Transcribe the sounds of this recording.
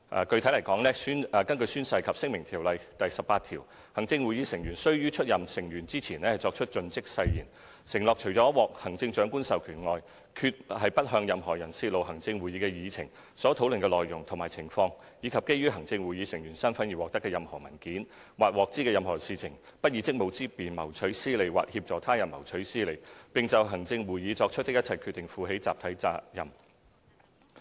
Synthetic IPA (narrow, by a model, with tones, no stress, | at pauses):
ʔɐ̰ː˨kɵ˧ɥt̪ʰlɐ˨˩jkɔː˨˥ŋlɛː˥sy˥nː˨˩kɐ˥nkɵ˧syː˥nsɐ˧jkʰɐ˨p̚sɪ˥ŋmɪ˨˩ŋt̪ʰiː˨˩wlɐ˨jt̪ɐ˨jsɐ˨p̚ːaː˧t̪ʰiː˨˩w | hɐ˨˩ŋt͡sɪ˧ŋwuː˨jiː˨˧sɪ˨˩ŋjyː˨˩nsɵ˥ɥjyː˥t͡ʃʰɵ˥t̚jɐ˨msɪ˨˩ŋjyː˨˩nt͡siː˥t͡sʰiː˨˩nɛː˥hɐ˨jt͡ʃɔː˧k̚t͡ʃʰɵ˥t̚t͡ʃɵ˧nt͡sɪ˥k̚sɐ˧jjḭː˨˩n | sɪ˨˩ŋlɔː˨k̚t͡ʃʰɵ˨˩jt͡ʃɔː˨˥wɔː˨k̚hɐ˨˩ŋt͡sɪ˧ŋt͡ʃœː˨˥ŋkuː˥nsɐ˨wkʰyː˨˩nŋɔː˨˧j | kʰyː˧t̚hɐ˨jpɐ˥t̚ɦœː˧ŋjɐ˨mɦɔː˨˩jɐ˨˩nsiː˧t̚lo˨wɦɐ˨˩ŋt͡sɪ˧ŋwuː˨jiː˨˥kɛː˧jiː˨˧t͡sʰɪ̰˨˩ŋ | sɔː˨˥t̪ʰo˨˥wlɵ˨nkɛː˧lɔː˨jjʊ˨˩ŋt̪ʰʊ˨˩ŋmaː˨˩jt͡sʰɪ˨˩ŋfɔː˧ŋ | jiː˨˧kʰɐ˨p̚ke˥jyː˥ɦɐ˨˩ŋt͡sɪ˧ŋwuː˨˩jiː˨˧sɪ˨˩ŋjyː˨˩nsɐ˥nfɐ˨˥njiː˨˩wɔː˨k̚t̪ɐ˥kːɛː˧jɐ˨mhɔː˨˩mɐ˨˩nkiː˨˥n | waː˨t̚wɔː˨k̚t͡siː˥kɛː˧jɐ˨mɦɔː˨˩siː˨t͡sʰɪ˨˩ŋpɐ˥t̚jiː˨˧˥t͡sɪ˥k̚mo˨˧wt͡siː˥piː˨nmɐ˨˩wt͡ʃʰɵ˨˥ɥsiː˥le˨˧jwa̰ː˨˩k̚hiː˧p̚t͡sɔː˨t̪ʰaː˥jɐ˨˩nmɐ̰˨˩wt͡ʃʰɵ˨˥ɥsiː˥le˨˩jpɪ˨ŋt͡sɐ˨wɦɐ˨˩ŋt͡sɪ˧ŋwuː˨jji˨˧t͡sɔː˧k̚t͡ʃʰɵ˥t̪̚ːɪ˥jɐ˥t̚t͡sʰɐ˨jkʰy˧t̪ːɪ˨˩ŋfuː˨ɦe˨˥jt͡sa̰ː˨p̚t̪ʰɐ˨˥jt͡saː˧jɐ˨m